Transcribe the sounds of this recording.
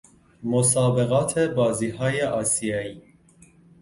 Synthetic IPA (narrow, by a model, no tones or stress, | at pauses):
mɔsɑːbɛɣɑt̪ʰɛbɑziɦajɛʔɑsijɑji